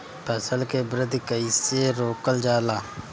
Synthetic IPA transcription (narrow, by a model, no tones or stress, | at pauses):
pɛsəlkebɾɪd̪ʱkəiseɾoːkəld͡ʒaːlaː